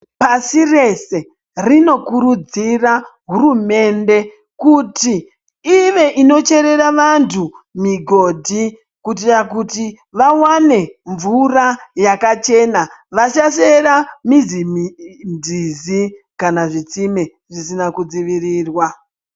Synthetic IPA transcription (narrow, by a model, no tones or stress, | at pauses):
pasire̞se̞ | rino̞kuɾud͡ziraɦuɾume̞nde̞ | kutiː | ʋeʔino̞t͡ʃe̞ɾe̞ɾaʋantʰumiɡʱo̞ːdʱi | kut̬iakuti | ʋawane̞ɱvurajakat͡ʃe̞naʋat͡ʃaʃeɾamizind͡zizi | kanaʐit͡sime | ʐisinakud͡ziʋiriːrwa